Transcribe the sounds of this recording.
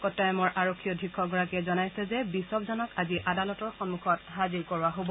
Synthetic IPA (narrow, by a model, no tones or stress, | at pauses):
kɔtajɔmɔɹʔaɹokʰːijɔdʱɹikʰːɔɡɔɹakɛzɔnajsɛzɛbisɔbzɔnɔkaziʔadalɔtɔɹxɔnmukʰɔtɦaziɹkɔɹaɦobɔ